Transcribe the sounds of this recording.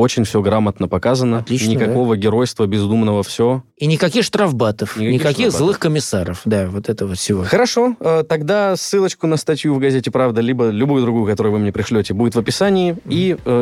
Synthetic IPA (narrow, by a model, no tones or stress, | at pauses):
o̞t͡ɕɪnʲfsʲoɡɾamət̪nəpɐkazənəɐlʲinʲɪkɐko̞vəɡʲɪɾo̞jst̪vəbʲɪzd̪umnəvəfsʲo | inʲɪkɐkʲixʂt̪ɾɐvbat̪əfnʲɪkɐnʲɪkɐkʲixzlˠɨxkəmʲɪsaɾə̰fd̪avot̪ɛt̪əvot̪sʲɪvoxəɾɐʂo̞əːt̪ɐɡd̪asːɨlˠət͡ɕkʊnəst̪ɐtʲjuvɡɐzʲetʲɪpɾavd̪əlʲibəlʲʊbujʊd̪ɾʊɡujʊkɐt̪o̞ɾʊjʊvɨmnʲepɾʲɪʂlʲotʲɪbudʲɪt̪vəpʲɪsanʲɪɪiə